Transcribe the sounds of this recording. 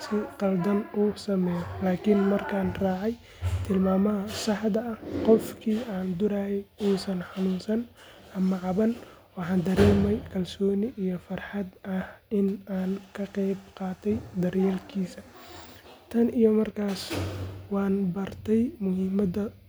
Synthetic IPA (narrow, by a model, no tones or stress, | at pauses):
sɪqɑld̪ɐnuːsɐmɛːjɔlaːkʰɪnmɐrkʰaːnrɑːʕɛj | t̪ʰɪlmaːmɐɦɐsɑħd̪ɐʔɐqɔfkʰiːaːnd̪ʊɾaːhɛjuːsɐnħɑnuːnsɐnʔɐmɐʕɑβɐnwɑħɑːnd̪ɐɾɛːmɛjkʰɐlsɔːnɪʔijɔfɐrħɑd̪ɐhɪnaːnkʰɐqɛjbqɑːt̪ʰɛjd̪ɐrjɛːlkʰiːsɐ | t̪ʰɐnijɔmɐrkʰaːswɑːnbɐrt̪ʰɛjmʊɦɪmɐd̪ɐ